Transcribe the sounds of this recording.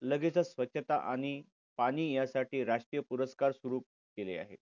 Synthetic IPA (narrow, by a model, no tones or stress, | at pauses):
ləɡet͡sasʋətːɕʰət̪a̰ʔaɽ̃i | paɽ̃iːjasaʈʰiːɾaʂʈɾijəpuɾəskaɾsʋuɾuːp̚ | kelḛa̰ɦḛ